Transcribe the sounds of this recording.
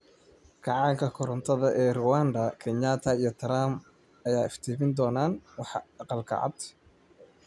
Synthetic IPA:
kʰɑʕɑːŋkʰɐkʰʊɾɐnt̪ʰɐðɐʔɛːrʊwaːnd̪ɐkʰɛɲaːt̪ʰɐijɞt̪ʰɐɾaːm | ɐjaːɪft̪ʰiːmɪnd̪ɔːnaːnwɑħɑqɑlkʰɐ̰ʕɑ̰d̪

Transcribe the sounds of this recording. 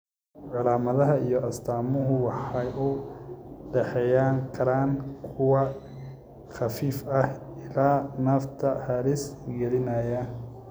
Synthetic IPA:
ʕɑlaːmɐðɐɦɐijɔʔɐst̪ʰaːmʊɦʊwɑħɑjʊ | ɖɛħɛjaːŋkʰɐɾaːnkʰʊwɑ | χɑfiːfɐh | ɪlaːnɐft̪ʰɐhɐɾɪsɡɛlɪnɐjɐ

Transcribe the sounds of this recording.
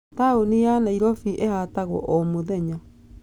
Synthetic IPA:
taunianaiɾofiʔehataɣɔ̰ʔomoðeɲa

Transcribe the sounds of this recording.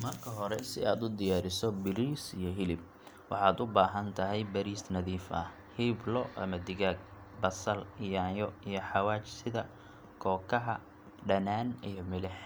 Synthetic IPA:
mɐrkʰɐɦɔɾɛsɪaːd̪ʊd̪ɪjaːɾɪsɔbɪɾiːsijɔɦɪlɪb̚ | wɑ̰ħɑːd̪ʊbaːɦɐnt̪ʰɐɦɛjbɐɾiːsnɐðiːfɐ̰h | hɪblɔʔɐ̰mɐd̪ɪɣaːɡ̚ | bɐsɐlɪjaːnjɔijɞħɑwaːt͡ʃsɪðɐ | kʰɔːkʰɐɦɐ | ɖɐnaːnijɞmɪlɪħ

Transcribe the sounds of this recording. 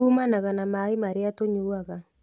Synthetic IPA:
uːmanaɣanamaemaɾeatoɲuːaɣa

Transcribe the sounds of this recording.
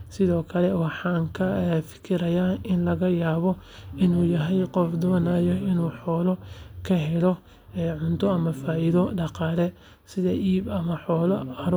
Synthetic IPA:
sɪðɔːkʰɐlɛwɑħɑːŋkʰɐfɪ̥kʰɪɾɐjaːɪnlɐɣɐjaːβɔ | ɪnuːjɐɦɛjqɔfd̪ɔːnaːjɔɪnuːħɔːlɔkʰɐɦɛlɔ | ɛːʕʊnt̪ʰɔɐmɐfaːʔiðɔɖɑqɑːlɛ | sɪðɐʔiːbɐmɐħɔːlɔɐɾ

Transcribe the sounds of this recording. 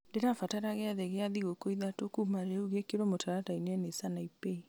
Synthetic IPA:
deɾafataɾaɣeaðeɣeaðiɣokoiðatokumaɾeuɣekeɾwɔmotaɾatainɛnesanaipei

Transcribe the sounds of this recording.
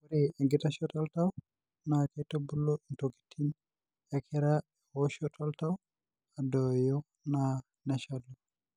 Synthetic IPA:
uɾɛŋɡɛtaʃɔtaltaw | nakɛtobulːɔɗuntoki̥tʰːin | ɛkʰɛɾa | ɛhɔʃɔtʰaltaw | adɔwjɔ | na | nɛʃadɔ

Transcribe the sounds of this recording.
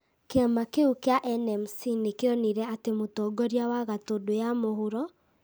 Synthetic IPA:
keamakeukeaʔɛnɛmsinekeɔniɾɛatemotɔːɡɔɾjawaɣatodojamohoɾɔ

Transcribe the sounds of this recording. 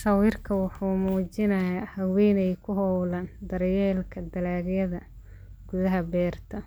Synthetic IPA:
ʃɐwiːrkʰɐwɑħuːmuːt͡ʃɪnɐjahɐwɛːnɛjkʰʊɦɔwland̪ɐɾjɛːlkʰɐd̪ɐlaːɣjɐðɐ | ɡʊðɐɦɐbɛːrt̪ʰɐ

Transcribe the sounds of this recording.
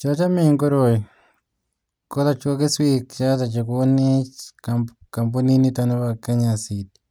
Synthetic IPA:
t͡ʃot͡ʃameŋɡoɾoji | kolat͡ʃokeswikt͡ʃatat͡ʃekonet͡ʃka | kamboninitanoβakeɲasiti̥

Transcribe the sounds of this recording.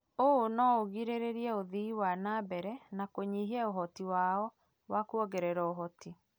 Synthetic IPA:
oonɔoɣiɾeɾeɾiɛoðiiwanaːbɛɾɛnakoɲiɦiɛoɦɔtiwaɔ | wakuɔɣɛɾɛɾɔoɦɔti

